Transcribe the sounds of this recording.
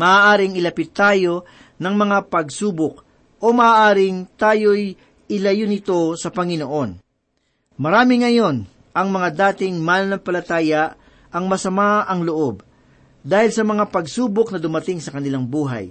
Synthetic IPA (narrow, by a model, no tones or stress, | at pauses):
mɐaːʔaːɾɪŋɪlɐpɪt̪ːaːjo̞ | nɐŋmɐŋapɐɡsuːbok̚ | ʔo̞mɐʔaːʔaːɾɪŋt̪aːjo̞j | ɪlɐjonɪt̪o̞sɐpɐŋɪno̞ʔo̞n | mɐɾaːmɪŋɐjo̞n | ʔɐŋmɐŋad̪aːt̪ɪŋmaːnɐnɐmpɐlɐt̪aːjɐʔ | ɐŋmɐsɐmaɐŋloʔo̞b̚ | d̪aːhɪlsɐmɐŋapɐɡsuːbok̚nɐd̪ʊmɐt̪ɪŋsɐkɐnɪlaŋbuːɦɐ̰j